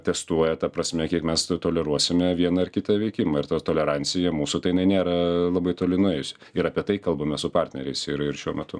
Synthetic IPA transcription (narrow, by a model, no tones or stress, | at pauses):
t̪ʲɛst̪uɔjɛt̪ɐpɾɐsʲmʲɛkʲiɛkmʲɛst̪oːlʲɛɾuɔsʲɪmʲɛʋʲiɛnɐɪrkʲɪt̪ɐʋʲɛɪkʲɪmɐːɪɾt̪ɐt̪oːlʲɛɾɑnʲsʲɪjɛmuːsʊt̪ɐɪjɪnɐɪnʲeːɾɐlˠɐbɐɪt̪oːlʲɪnʊɛɪjʊsʲɪ̥ | ɪɾɑːpʲiɛt̪ɐɪkɐlˠbɐmʲɛsʊpɑrʲt̪ʲnʲɛɾʲɛɪsɪɾɪɾʃʲuɔmʲɛt̪ʊ